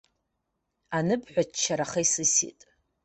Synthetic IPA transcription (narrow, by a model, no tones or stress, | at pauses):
anɨbħʷat͡ʃʰːaɾaχejsɨsḭtʼ